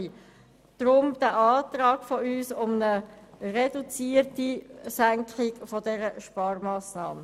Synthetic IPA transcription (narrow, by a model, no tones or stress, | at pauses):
d̥ɾʊmd̥æʔɑːt̪ʁɑːɡ̥fɔyːsʊmnəred̥ut͡siːrtisæŋkʰχɪɡ̥fɔdɛɾəʃpɑːrmɑːsnɑ̰ːmə